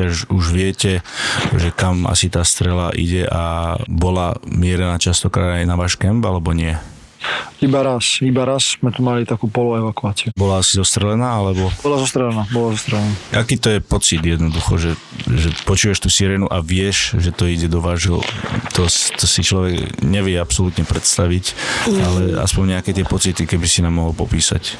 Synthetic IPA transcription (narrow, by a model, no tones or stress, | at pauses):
aʒuʒʋɪɛcɛʒɛkama̰sit̪aːst̪ɾɛlaʔḭɟɛʔabɔlamɪɛɾɛnaːt͡ʃast̪ɔkɾa̰ːd̪ajnaʋaːʃkɛmbalɛbɔɲɪɛ | ibaɾasibaɾaszmɛt̪umalit̪akuːpɔlɔɛʋakuaːt͡siubɔlaasizɔst̪ɾɛlɛnaːalɛbɔbɔlazɔst̪ɾɛlɛnaːbɔlazɔst̪ɾɛlɛnaːʔakiːt̪ɔjɛpɔt͡sid̪jɛd̪nɔd̪uxɔʒɛ | ʒɛpɔt͡ʃuːʋaʃt̪uːsiɾɛːnuʔaʋɪɛʃʒɛt̪ɔiɟɛd̪ɔʋaːʒɦɔ̰t̪ʰɔst̪ɔsit͡ʃlɔʋɛɡɲɛʋɪjɛapsɔlut̪ɲɛpɾɛt̪st̪aʋicalɛa̰spɔɲɲɛakɛt̪ɪɛpɔt͡sit̪ikɛbisinaːmːɔɦɔlpɔpiːsa̰c